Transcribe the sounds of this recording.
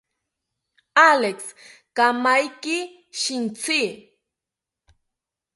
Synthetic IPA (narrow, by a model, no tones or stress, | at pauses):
aleks | kamajkɪ | ʃɪnt͡si